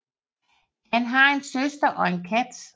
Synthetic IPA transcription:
hænɦɑ̈e̝nsøsd̥ɐʔɒ̽e̝nkʰæd̥

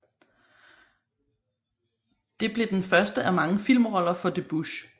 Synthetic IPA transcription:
d̥e̝b̥le̝d̥enfɶɐsd̥əʔæmɑ̈ŋəfil̰mʁɒ̽l̰ɐfɒ̽d̥e̝b̥uɕ

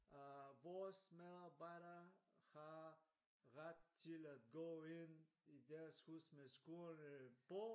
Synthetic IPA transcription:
ʋɔːsmeðˠɑbɑɪɾɐhɑ | ʁad̥t͡sʰɪlædɡoːen | idæɐshusmesɡ̥unəpɔ

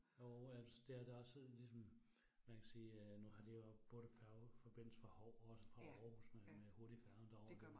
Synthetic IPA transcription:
ɒælsɒd̥eæɐd̥eɒ̽slisɒ̽m | mænkʰæsiːnuhɑ̈d̥ejob̥ɔ̽ːðəfæɐfɒ̽b̥e̝n̰l̩səfɑ̈hɒʊ̰ɒɒ̽səfʁɑ̈ɒːhusmemeho̝ɐd̥ifæɐnd̥ɒ̰d̥

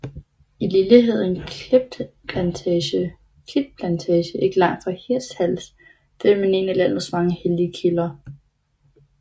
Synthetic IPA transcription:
ililiɦe̝ð̞̰ˠnkʰleb̥̚d̥ | pʰlænt͡sʰɛːɕə | kʰid̥̚pʰlænt͡sʰɛːɕəʔe̝ɡ̥əlɑ̈ŋ̰d̥fʁɑ̈hiɐ̰shæl̰s | d̥emene̝ːnælæn̰ɐsmɑ̈ŋəheliəkʰilɐ

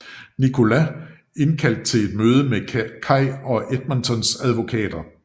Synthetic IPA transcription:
nikʰo̝læ | e̝nkʰæl̰d̥̚t͡sʰe̝le̝d̥møːð̞ˠəmekʰɑ̈ɪ̰ɒ̽ʔed̥̚mænt͡sʰɒ̽nsæðˠʋo̝kʰɛ̰ːd̥ɐ

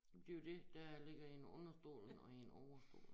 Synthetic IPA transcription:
d̥e̝od̥e̝d̥æle̝ɡ̥ɐenɔ̽nɐsd̥o̝̰ːln̩ɒ̽ienɒʊɐsd̥o̝̰ːl

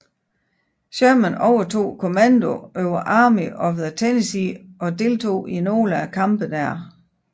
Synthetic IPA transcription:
ɕøɐmənɒʊɐt͡sʰo̝̰ːkʰo̝mænd̥o̝øʊɐʔɑ̈ːmiʔɒ̽ʋð̩ˠət͡sʰenesiʔɒ̽d̥e̝lt͡sʰo̝̰ːino̝̰ːlækʰɑ̈mb̥əd̥æɐ̰

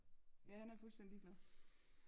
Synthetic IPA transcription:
jæhænæɐfulsd̥en̰d̥iɡ̥læðˠ

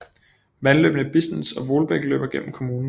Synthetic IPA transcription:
ʋænlø̰ːb̥nəb̥isnesɒ̽ʋo̝lb̥eɡ̥əlø̰ːb̥ɐɡ̥en̰m̩kʰo̝muːnn̩

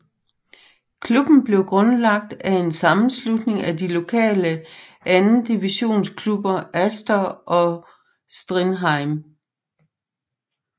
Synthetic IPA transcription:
kʰlub̥n̩b̥le̝ʊɡ̥ʁɔ̽nlɑ̈ɡ̥̚d̥æe̝nsɑ̈mn̩slud̥ne̝ŋædilo̝kʰɛ̰ːlə | ʔænn̩d̥iʋiɕo̝̰ːnskʰlub̥ɐʔæsd̥ɐʔɒ̽ | sd̥ʁinɦɑ̈ɪm

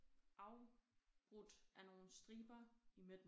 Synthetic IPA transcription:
ʔɑ̈ʊb̥ʁud̥ʔæno̝ːn̩sd̥ʁiːb̥ɐimed̥m

